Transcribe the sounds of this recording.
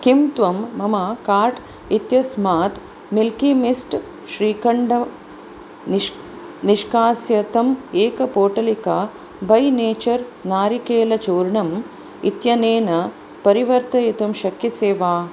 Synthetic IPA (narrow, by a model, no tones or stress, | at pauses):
kimt̪ʋɐmːɐmɐkaːʈ | it̪jɐsmaːt̪ | milkimisʈ | ʃɾiːkɐɳɖɐ | niʃkaːsjɐt̪ɐmeːkɐpoːʈɐlika | bʱɐjneːt͡ʃɐɾnaːɾikeːlɐt͡ʃuːɾɳɐm | it̪jɐneːnɐ | pɐɾiʋɐɾt̪ɐjit̪umʃɐkjɐseːʋaː